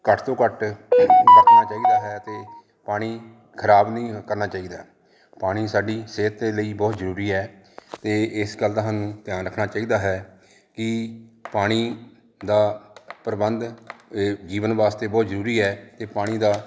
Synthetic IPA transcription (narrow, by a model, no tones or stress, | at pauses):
kəʈʰt̪õːkəʈʰ | əkʰnaːt͡ʃaːiːd̪aːɦɛːt̪eː | paːɽ̃iː | kʰəɾaːbnĩːkəɾnaːt͡ʃaːiːd̪aː | paːɽ̃iːsaːɖiːseːt̪eːləiːbɔːt̪zəɾuːɾiːɛːt̪eːɪsɡəld̪aːɦanũːt̪ɪjaːnɾəkʰɽaːt͡ʃaːiːd̪aːɦɛː | kɪpaːɽ̃iː | d̪aːpəɾəbənd̪ | d͡ʒiːʋənʋaːst̪eːbɔːt̪zəɾuːɾiːɛːt̪eːpaːɽ̃iːd̪aː